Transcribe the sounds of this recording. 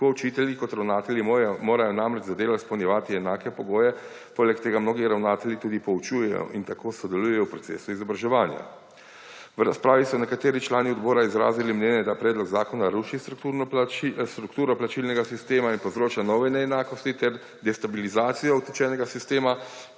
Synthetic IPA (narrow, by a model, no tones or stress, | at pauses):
pɔut͡ʃit̪ɛljikɔt̪ɾawnaːt̪ɛljimoːɾajɔnamɾɛd͡ʒzad̪eːlat̪spɔwnʲjɛʋaːt̪iɛnaːkɛpɔɡoːjɛ | poːlɛkt̪eːɡamnoːɡiɾawnaːt̪ɛlʲjit̪uːd̪ipɔut͡ʃujɛjɔ̰ʔint̪akoːsɔd̪ɛlujɛjɔwpɾɔt̪sḛːsuizɔbɾaʒɛʋaːnja̰ | wɾaspɾaːʋisɔnɛkat̪eːɾit͡ʃlaːniɔd̪bɔːɾaizɾa̰ːzilimnjɛːnjɛd̪apɾɛːd̪lɔɡzaːkɔnaɾuʃist̪ɾukt̪uɾnist̪ɾukt̪uːɾɔplat͡ʃilnɛɡasist̪eːmainpɔwzɾoːt͡ʃanɔːʋɛnɛɛnaːkɔst̪it̪ɛɾ | d̪ɛst̪abilizaːt̪sijɔɔt̪it͡ʃɛnɛɡasist̪eːma